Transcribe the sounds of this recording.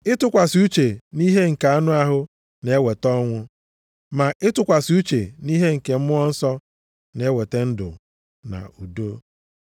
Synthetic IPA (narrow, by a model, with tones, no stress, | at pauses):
ɪ˦tʊ˦kʷa˨su˦t͡ʃe˨ni˦ɦe˦ŋ̩˨ka˨a˦nʊ˦a˦ɦʊ˦ | ne˨˦we˨tɔ˦ŋʷʊ˦ | ma˨ʔɪ˦tʊ˨kʷa˨sɪ˨u˦t͡ʃe˨ni˦ɦe˦ŋ̩˨ke˨m̩˦mʊ˦ɔ˦n̩˦sɔ˦ | ne˨˦we˨te˦n̩˦dʊ̰˨ | na̰˨u˨do˦